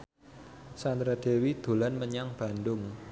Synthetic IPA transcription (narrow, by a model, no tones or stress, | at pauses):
sand̪ɾad̥e̤wid̪̥ṳlanməɲaŋb̥a̤ndʊŋ